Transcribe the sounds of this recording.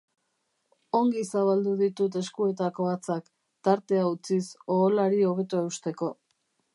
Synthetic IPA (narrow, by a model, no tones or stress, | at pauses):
o̞ŋɡisaβald̪uðit̪ut̪̬e̞skue̞t̪ako̞at͡sak | t̪aɾt̪e̞aut͡siso̞ːlaɾio̞β̞e̞t̪oeust̪e̞ko̞